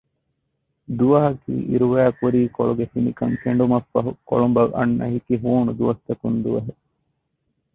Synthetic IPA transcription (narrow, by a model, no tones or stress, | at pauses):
d̪uʋɐɦɐkḭːʔḭɾuʋæːkuɾiːkoɭuɡefinikɐŋkeɳ̆ɖumɐfːɐɦuko̰ɭumbɐlʔɐ̰nːɐ̰ɦikiɦuːnud̪uʋɐst̪ɐkund̪uʋɐɦe